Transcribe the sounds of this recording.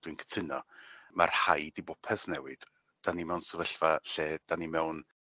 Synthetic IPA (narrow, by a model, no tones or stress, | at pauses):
d̥wɨnkʰə̥tʰɪnɔma̰rhajdibʊpʰɛsnɛwɨd̥ | d̥animɛwnsəvəɬvaɬɛːd̥animɛwn